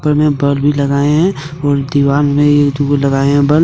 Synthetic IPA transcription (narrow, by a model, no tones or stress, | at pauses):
pəɾmẽbəlbʱilɐɡaːeɦɛ̃ | ɔːɾd̪iʋaːnmẽjed̪ulɐɡaːeɦɛ̃bəl